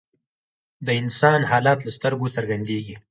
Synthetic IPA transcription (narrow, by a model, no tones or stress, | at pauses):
d̪əɪnsɑnhɑːlɑt̪last̪əɾɡosəɾɡand̪eɡi